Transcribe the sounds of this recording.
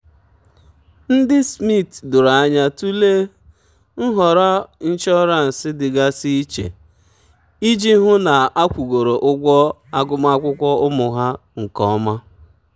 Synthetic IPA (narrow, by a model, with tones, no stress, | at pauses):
n̩˦dɪ˦smi˦˨tdʊ˨ɾa˨a˦ɲa˦tu˦le˦ | n̩˦ɦɔ˨ɾa˦n̩˦t͡ʃɔ˦ɾa˦˨n̩˨sɪ˦dɪ˨ɡa˦si˦i˦t͡ʃḛ˨ | i˦d͡ʒi˦ɦʊ˦na˨ʔa˦kʷu˨ɡo˨ɾo˨ʔʊ˦ɡʷɔ˦ | a˦ɡʊ˦ma˦a˦kʷʊ˦kʷɔ˦ʊ˦mʊ˨ɦa˦ŋ̩˨kɔ˦ma˦